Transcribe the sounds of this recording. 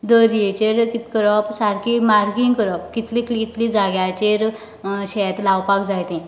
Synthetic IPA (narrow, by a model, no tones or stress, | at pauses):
d̪əɾiet͡ɕeɾkit̪kəɾɔpsaɾkimaɾɡiŋɡkəɾɔp̚kit̪liklit̪lid͡zaɡjat͡ɕeɾ | ɕɛt̪lawpakd͡zajt̪ẽ